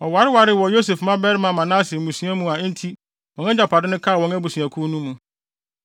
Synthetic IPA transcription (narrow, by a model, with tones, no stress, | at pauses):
ɔ˨wa˨˦ɾɪ˦wa˨ɾɪ˦wɔ˨jo˦s̬e˨fmã˦bɛ˦ɾɪ˦mã˨mã˨nã˦sɪ˨mũ˨sũ˨˦a˦mũ˨a˨˦n̩˦tʰi˦ | wɔ̃˨nɛ̃˦d͡ʑa˨pʰa˨dɪ˦nʊ̃˦kʰa˦˨wɔ̃˦næ˦bu˨sũ˨ã˨kʰu˦nũ˦mːũ˨